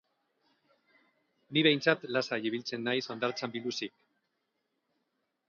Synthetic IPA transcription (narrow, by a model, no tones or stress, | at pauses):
niβe̞jnt͡sat̪lasajiβilt͡se̞nːajso̞nd̪aɾt͡sambiŋusik̚